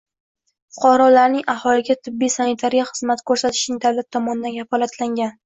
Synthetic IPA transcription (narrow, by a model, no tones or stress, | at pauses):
fʊ̥qʰɒɾɒlaɾnɪŋahɒlɪɡʲat̪ʰɪbːijsanɪt̪ʰaɾijaχɨzmat̪kʰɵɾsat̪ʰɪ̥ʃnɪŋd̪avlat̪ʰːɒmɒnɪd̪anɡʲafɒlˠat̪ʰlaŋɡʲan